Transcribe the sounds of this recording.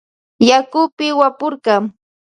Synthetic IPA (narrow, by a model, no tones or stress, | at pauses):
jakʊpɪwapʊɾɢɑŋ